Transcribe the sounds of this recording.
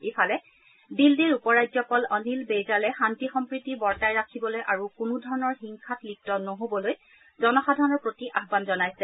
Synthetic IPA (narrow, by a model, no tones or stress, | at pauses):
efalɛ | bildiɹupɔɹajzɔpɔlɔnilbezalɛxantixɔmpɹitibɔɹtajɹakʰibɔlojʔaɹukunudʱɔɹɔnɔɹxiŋkʰatlik̚tɔnoɦobɔloj | zɔnɔxadʱanɔɹpɹotiʔaɦbanzɔnajsɛ